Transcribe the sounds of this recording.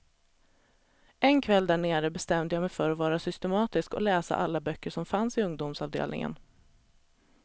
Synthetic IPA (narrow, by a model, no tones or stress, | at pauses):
ʔɛnkʰvɛld̪æɳeːɾəbɛst̪ɛmd̪əjɑːmɛjfœɾɔvɑːɾasʏst̪ɛmɑːt̪ɪskɔ̰lɛːsa̰ʔalːabœkːəʂɔmfansɪɵŋd̪ʊmsɑːvd̪ḛːlnɪ̰ŋə̰n